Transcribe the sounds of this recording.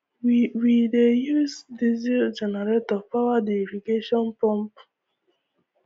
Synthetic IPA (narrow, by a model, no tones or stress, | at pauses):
wiwidejusdizid͡ʒɛnɛɹetɔvpawadeifikeʃɔ̃npɔ̃mp